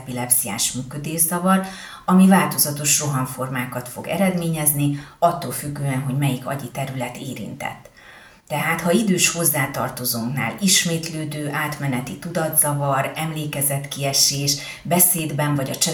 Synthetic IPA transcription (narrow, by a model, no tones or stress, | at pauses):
pilɛpsija̰ːʃmyːkød̪eːʒzɒvɒr | ɒmivaːlt̪o̞zɒt̪o̞ʃro̞ɦɒɱfo̞rmaːkɒt̪fo̞̰ɡɛ̰ɾɛd̪meːɲɛzniɒt̪ːo̰ːlfyɡːøːɛnɦo̞ɟmɛjikɒ̰ɟit̪ɛɾylɛt̪eːɾḭnt̪ɛ̰t̪ː | ɛɦaːt̪hɒid̪øːʃho̞zːaːt̪ɒ̰rt̪o̞zoːŋkna̰ːliʃmeːt̪løːd̪øːʔaːt̪mɛnɛt̪it̪ud̪ɒd̪z̥ɒvɒɾɛmleːkɛzɛt̪kiɛʃeːʃ | bɛseːd̪bɛɱvɒɟɒt͡ʃɛ